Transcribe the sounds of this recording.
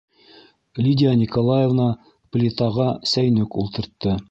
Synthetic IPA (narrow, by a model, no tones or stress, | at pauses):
lʲidʲɪanʲikolˠajevnɑ | plʲɪt̪ɑʁɑsæjnɵkulˠt̪ɤ̆ɾt̪ːɤ